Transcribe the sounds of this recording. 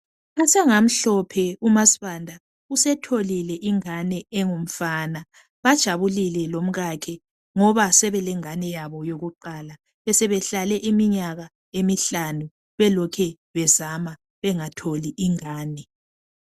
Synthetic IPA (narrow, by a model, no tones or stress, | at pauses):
asɛŋam̩ɬɔpʰɛumasi̥βandʱa | usɛtʰolilɛʔiŋanɛɛŋom̩faːna | βad̥ʒ̥ʱaβulilɛlom̩ɣakʰɛ | ŋɔβasɛβɛlɛŋanɛjaβɔjoɣuǃaːla | βɛsɛβɛɬalɛʔimiɲaɣa | emiɬanu | βɛlɔkʰɛ | βɛzama | βɛŋatʰoliʔiŋaːnɛ